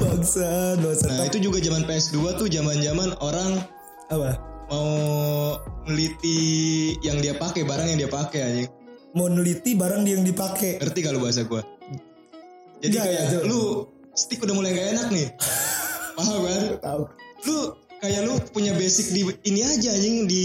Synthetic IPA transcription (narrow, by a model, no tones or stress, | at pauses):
baŋsabasanait̪ud͡ʒuɡad͡ʒamanpeɛsduat̪ʊd͡ʒamand͡ʒamanoɾaŋ | abamau | nəlit̪ijaŋdiapakɛbaɾaŋjaŋdiapakeaɲɛ | maunəlit̪ibaɾaŋdijaŋdipakeŋərt̪ikalubaɦas̬aɡua | d͡ʒadiakajaalu | st̪ɪkudahmulajŋɡaenak̚nɪ | maɦakant̪alukajalupuɲabesɪk̚diiniad͡ʒaɲɪŋdi